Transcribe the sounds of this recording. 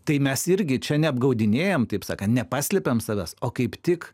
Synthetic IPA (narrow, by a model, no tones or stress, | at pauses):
t̪ɐɪmʲɛsɪɾʲɡʲɪt͡ʃʲɛnʲɛɐbɡɐʊd̪ʲɪnʲeːjɛmt̪ɐɪpsɑ̰ːkɐnt̪nʲɛpɑːsʲlʲɛpʲɛmsɐʋʲɛsoːkɐɪpt̪ʲɪk